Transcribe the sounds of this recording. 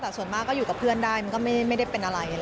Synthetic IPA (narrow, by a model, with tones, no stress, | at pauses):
t̪ɛː˨˩su˨˩ənmaː˥˩kːɔː˥˩juː˨˩ka˨˩pʰɯ˥˩əndaː˥˩jma˧nkɔː˥˩ma˥˩˥jma˥˩jda˥˩jpe˧nʔa˧ɾa˧jʔa˧˩